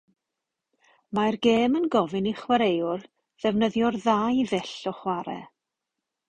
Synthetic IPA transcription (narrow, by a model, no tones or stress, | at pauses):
majrɡeːmənɡɔvɪniχwaɾejʊr | ðɛvnəðjɔrðajvɛɬɔχwaɾɛ̰